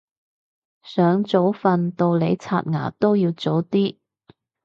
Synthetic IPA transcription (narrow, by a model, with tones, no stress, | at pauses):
sœː˨˧˥ŋt͡so˨˥wfɐ˧nt̪o˧wle˨˧t͡sʰa̰ː˧t̚ŋa̰ː˨˩t̪o˥wjiː˧wt͡so˨˥wt̪iː˥